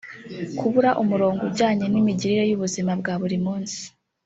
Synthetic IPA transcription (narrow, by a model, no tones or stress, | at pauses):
kʰuβuɾaʔumuɾo̞ːŋɡobɟaːɲenimiɟiɾiɾe̞juβuzimabɡaβuɾimuːnsi̥